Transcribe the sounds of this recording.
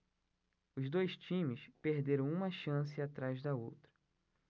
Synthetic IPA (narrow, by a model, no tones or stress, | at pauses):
ʊzd̪ojʃt͡ʃĩmɪspehd̪eɾɐ̃w̃ũmɐʃɐ̃s̬ɪat̪ɾajzd̪ɐowt̪ɾɐ